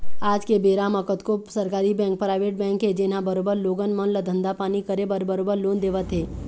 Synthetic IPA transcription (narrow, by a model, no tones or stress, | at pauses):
aːd͡ʒkebeːɾaːmɐkət̪kosɐɾkaːɾibɛ̃ːŋk̚pɾaːɪʋeːʈ̚bɛ̃ːŋkɦed͡ʒeːnãbəɾoːbəɾloːɡənmənləd̪ʱə̃nd̪apaːnikəɾebəɾbəɾoːbəɾloːnd̪eːʋət̪ɦeː